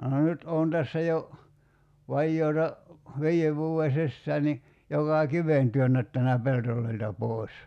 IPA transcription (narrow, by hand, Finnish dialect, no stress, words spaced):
nyt oːn tæsːæ jo ʋɑjːoːtɑ ʋiːeʋ ʋuːe sisːæː ni jokɑˑ kiʋen tyønːætːænæ peltolˑoiltɑ poˑi̞s